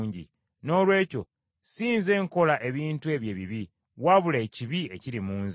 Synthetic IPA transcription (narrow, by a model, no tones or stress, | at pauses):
ɲɟḭ | no̞ːlwe̞ːco̞̰ | siːnze̞ːŋko̞laʔe̞βiːntue̞βje̞ːβiβi | waβuleːciβie̞̰cilimuːnzi